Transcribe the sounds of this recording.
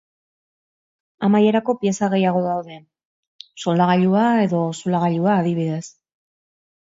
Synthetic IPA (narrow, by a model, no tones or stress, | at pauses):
amaje̞ɾako̞pie̞saɣe̞jaɣ̞o̞ðawðe̞ | so̞laɣ̞aʎuae̞ðo̞solaɣ̞aʎuaːðiβiðe̞s